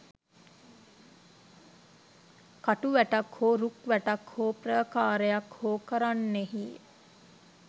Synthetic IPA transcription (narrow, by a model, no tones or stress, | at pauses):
kaʈuʋæʈakhoːɾukʋæʈakhoːprəːkaːɾəjakhoːkəɾanːeɦi